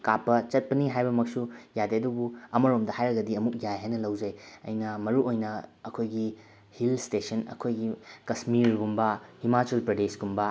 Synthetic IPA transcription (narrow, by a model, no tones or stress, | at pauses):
kapːɐt͡ʃɐt̚pɐniɦajbɐmɐk̚sujadeɐdubuɐmɐɾomdɐhajɾɐɡɐdiɐmuk̚jajɦajnɐlɐwd͡ʒɐjɐ̰jnɐmɐɾuʔojnɐɐkʰojɡi | hilstesɐnɐ̰kʰojɡikɐsmiɾɡumbɐhimat͡ʃelpɾɐdesɡumbɐ